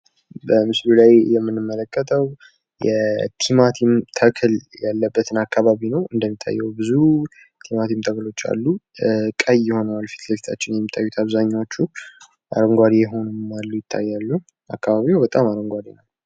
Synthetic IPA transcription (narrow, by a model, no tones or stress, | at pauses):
bəmɨslulajjɛmːɨnːɨmːələkʰʼːət̪ʰʼəw | jɛt̪ʰimat̪ʰimt̪ʰəkʰɨljalːəbːət̪ʰɨnakʰːaβaβinəwɨnd̪əmːit̪ʰʼːa̰jːɛwbɨzu | t̪ʰimat̪ʰimt̪ʰəklo̞t͡ʃːa̰lːukʼəjɪho̞nəwalfi̥t̪ləfi̥t̪ʰat͡ʃːɪnjɛmːit̪ʰʼːa̰jːut̪ʰaβzaɲːawot͡ʃːu | ʔa̰ɾəŋɡʷad̪ijɛɦo̞nmːalːujɪt̪ʰːa̰jːalːu | ʔa̰kʰːaβaβiwbət̪ʼamaɾəŋɡʷad̪inalː